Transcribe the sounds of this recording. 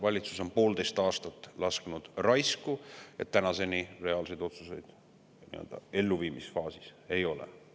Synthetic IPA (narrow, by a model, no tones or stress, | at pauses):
vɑlʲit̪su̥so̞npo̞ːld̪e̞jst̪ɑːst̪ɑt̪ːˑlɑsknud̪̥rɑjskujet̪ːænɑse̞nire̞ɑːlse̞jd̪o̞t̪suse̞̰jd̪̥ | nḭø̞̰ld̪̥ɑ̰e̞lːuviːmisfɑːsi̥se̞jo̞lḛ